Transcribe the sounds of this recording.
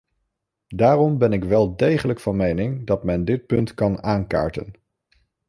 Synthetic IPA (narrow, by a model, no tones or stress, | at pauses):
daːrɔmbɛnɪkʋɛlˠdejχələkfɑnmejnɪŋdɑtmɛndɪt̚pɵntkɑnaːnka̰ːɹtə̰n